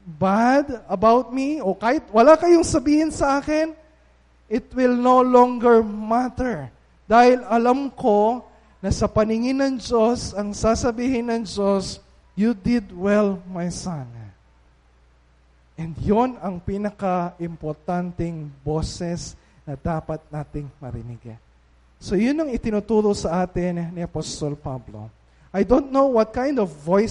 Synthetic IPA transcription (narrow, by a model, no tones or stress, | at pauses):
bad̪ɐbawt̪̚miokaːhɪt̪̚wɐlakɐjoŋsɐbiːhɪnsɐʔaːkɪn | ʔɪt̪wɪlnolõŋɡɛɹmat̪ɛɹ | d̪̥aːhɪlɐlamko̞ | nɐsɐpɐnɪŋɪnɐŋd͡ʒo̞sɐŋsasɐbiːhɪnɐŋd͡ʒo̞s | jud̪ɪd̪wɛlmɐjsãn | ʔɛnd̪jonɐŋpiːnɐkɐʔɪmpoɾt̪ant̪ɛŋbo̞ːsɛs | nɐd̪aːpɐt̪̚naːt̪ɪŋmɐ̰ɾɪ̰nɪɡa̰ | so̞jʊnɐŋɪt̪ɪnut̪uːɾosɐʔaːt̪ɪnːiɐpost̪olpablo̰ | ʔɐjd̪õnt̪̚nowwɐt̪̚kãjnd̪ovːoj